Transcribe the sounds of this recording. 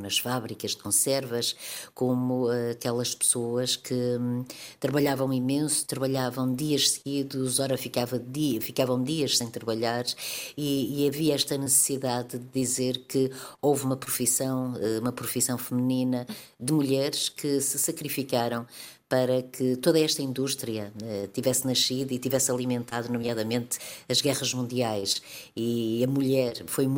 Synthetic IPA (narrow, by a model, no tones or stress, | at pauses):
nɐʃfaβɾikɐʒd̪ɨkõsɛɾvɐʃkomuaɐkɛlˠɐʃpɨ̥soɐʃkɨ | t̪ɾɐβɐʎavɐ̃w̃imẽsu̥t̪ɾɐβɐʎavɐ̃w̃d̪iɐʃsɨɣiðuzɔɾɐfikavɐðifikavɐ̃w̃d̪iɐʃsẽj̃t̪ɾɐβɐʎaɾiːɐviɐɛʃt̪ɐnɨsɨ̥siðaðd̪ɨðizeɾkɨovumɐpɾufisɐ̃w̃ɛumɐpɾufisɐ̃w̃fɨmɨninɐd̪ɨmuʎɛɾʃkɨsɨsɐkɾifikaɾɐ̃w̃ | pɐɾɐkʰɨt̪oðɐɛʃt̪ɐĩnd̪uʃt̪ɾiɐɛt̪ivɛsnɐʃiðit̪ivɛsɐlˠimẽnt̪aðunumjaðɐmẽnt̪ɐʒɣɛʁɐʒmũnd̪iajʃiɐmuʎɛɾfoj